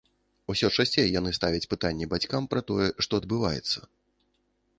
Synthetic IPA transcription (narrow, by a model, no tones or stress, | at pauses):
usʲɔt͡ʂasʲt͡sʲɛjjanɨst̪avʲɐt͡sʲpɨt̪anʲːɛbat͡sʲkampɾɐt̪ɔjɛʂt̪ɔɐd̪̚bɨvajɛ̰t̪sːɐ̥